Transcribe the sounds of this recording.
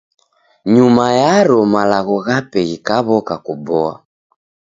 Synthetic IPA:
ɲumajaɾɔmalaɣɔɣapɛɣikaβɔkakubɔa̰

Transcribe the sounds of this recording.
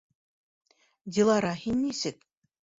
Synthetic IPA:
d̪ʲilˠɑɾɑɦinʲmisɘk

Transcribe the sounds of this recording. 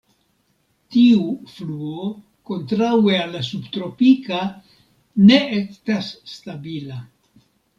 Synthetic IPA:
tiufluo | ko̞ntɾawealːasubt̪ɾo̞pika | ne̞estasːtabila

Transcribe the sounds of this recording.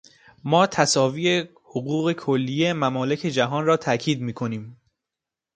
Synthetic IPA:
mɒːt̪ʰæsɒːviːe | hoɣuːɣe̞kʰolːiːjemæmɒːle̞cʰe̞d͡ʒæɦɒːnrɒːt̪ʰæcʰiːd̪miːkʰo̞niːm

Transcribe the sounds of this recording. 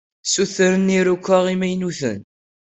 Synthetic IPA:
suθɾəniɾukʷːəʁimæjnuθə̰n

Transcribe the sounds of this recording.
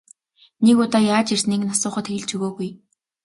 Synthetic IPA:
nekʊt̪ɔːjaːt͡ɕirsniːknasʊːχə̆t̪xeɣ̆ɮt͡ɕuɣoːɣuj

